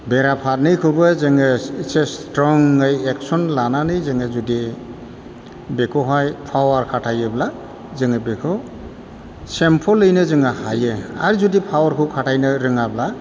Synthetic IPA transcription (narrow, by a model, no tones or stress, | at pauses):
beɾapʰat̚nɯjkʰɯbɯzɯŋɯisestɾɔŋːɯjeksɔnlananɯjzɯŋɯzudi | bekʰɔɦɔjpʰawaɾkʰatʰajɯbla | zɯŋɯbekʰɔ | sempʰɔlːɯjnɯzɯŋahajɯa̰ɾzudipʰawaɾkʰɯkʰatʰajnɯɾɯŋabla